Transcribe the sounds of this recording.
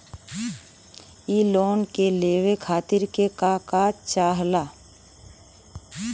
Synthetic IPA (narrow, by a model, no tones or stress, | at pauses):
iːloːnkeleːwekʰaːt̪ɪɾkekakaːt͡ʃaːɦlaː